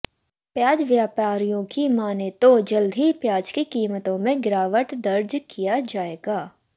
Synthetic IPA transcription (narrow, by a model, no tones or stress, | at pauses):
pjaːd͡ʒʋjaːpaːɾijõkimaːnet̪od͡ʒɐld̪ʱipjaːd͡ʒkikiːmət̪õmẽɡɪɾaːʋəʈ̪d̪ɐɾd͡ʒkijad͡ʒaːeːɡaː